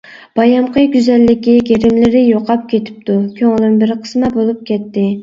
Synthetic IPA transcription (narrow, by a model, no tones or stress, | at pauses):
b̥ɑjɑmqəɡʲyzɛlːɪkʲiɡʲeɾɪmlɪɾɪjoqʰɑp̚kʲet̪ʰɪ̥p̚t̪ʰukʲʰøŋlɪnbɪɾqʰə̥smɛbolˠup̚kʲɛt̪ːɪ